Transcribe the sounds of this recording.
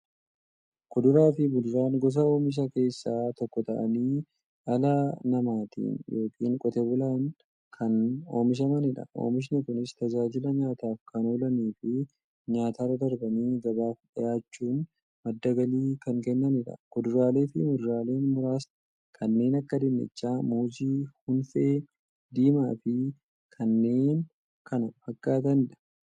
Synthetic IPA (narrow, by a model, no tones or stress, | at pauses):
kʊd̪ʊɾaːfɪbʊlɾaːŋɡɔs̬ɐo̞ːmɪs̬ɐke̞ːsːaːt̪ɔkːɔt̪ɐʔɐ̰niː | ʔɐlaːnɐmaːt̪ḭːnjʔo̞ːkḭːŋkʼɔt̪ɛbʊlaːŋ | kʰɐno̞ːmɪs̬ɐmɐnɪᶑɐ̰ʔo̰ːmɪʃ̬nɪkʊnɪst̪ɐd͡ʒaːd͡ʒɪlɐɲaːt̪aːfkʰɐnoːlɐniːfɪ | ɲaːt̪aːɾɐd̪ɐɾbɐniːd͡ʒɐbaːfᶑɐjaːt͡ʃːuːn | mɐd̪ːɐɡɐliːkɐŋkɛnːɐnɪᶑɐ̰ɡ̥ʊd̪ʊɾaːle̞ːfɪmʊd̪ʊɾaːle̞ːnmʊɾaːs | kʰɐnːe̞ːnɐkːɐd̪ɛnːɛ̰t͡ʃːaːmoːd͡ʒiːhʊnfeː | d̪iːmaːfɪ | kʰɐnːe̞ːn | kɐnfɐkːaːt̪ɐnɪᶑɐ̥